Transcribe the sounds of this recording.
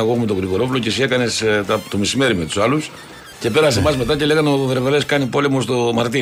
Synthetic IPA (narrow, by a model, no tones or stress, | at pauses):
eɣoxumet̪oɣɾiɣo̞ɾo̞flo̞cesie̞kɐne̞st̪ɐt̪o̞misime̞ɾime̞t̪u̥sɐlus | ce̞pe̞ɾɐsemɐzme̞t̪ɐce̞le̞ɣɐnoveɾveɾeskɐnipo̞le̞mo̞st̪o̞mɐɾt̪i